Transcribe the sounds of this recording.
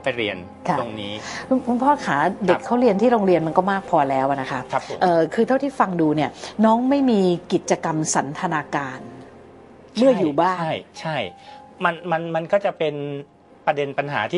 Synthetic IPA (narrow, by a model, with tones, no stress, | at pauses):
pa˧jɾi˧ən | kʰa˧˩o˧ŋniː˦˥kʰu˧kʰu˧npʰɔː˥˩kʰaː˩˦de˨˩˧kʰːa˦˥wɾi˧ənt̪ʰiː˥˩ɾoː˧ŋɾi˧ənma˧nkɔː˥˩maː˥˩k̚pʰɔː˧lɛː˦˥wʔa˨˩na˦˥kʰa˦˥ʔʰʔɤː˨˩kʰɯː˧t̪ʰa˥˩wt̪ʰiː˥˩fa˧ŋduː˧ni˥˩ɐnɔː˦˥ŋma˥˩jmiː˧ki˨˩t̪̚t͡ɕa˧ka˧msa˩˦nt̪ʰa˧naː˧kaː˧n | mɯ˥˩ɐjuː˨˩baː˥˩ŋa˥˩jt͡ɕʰa˥˩jma˧nma˧nma˧nkɔː˥˩t͡ɕa˨˩pe˧n | pɾa˧de˧npa˧nɦa̰ː˩˦t̪ʰiː˥˩